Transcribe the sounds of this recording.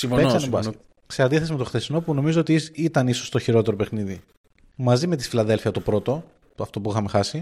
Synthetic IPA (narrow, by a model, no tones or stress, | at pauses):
sifoeksɐnebɐs | seɐnd̪iθesime̞t̪o̞xθe̞sino̞puno̞mizo̞ot̪iit̪ɐnisost̪o̞çiɾo̞t̪e̞ɾo̞pe̞xniði | mɐzime̞t̪i̥filɐðe̞lfiɐt̪o̞pɾo̞t̪o̞ | ɐft̪o̞puixɐme̞xɐsi